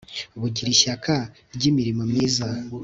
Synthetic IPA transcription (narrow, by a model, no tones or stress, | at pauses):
βuɟiɾiʃakʰa | ɾɟimiɾimomɲiːza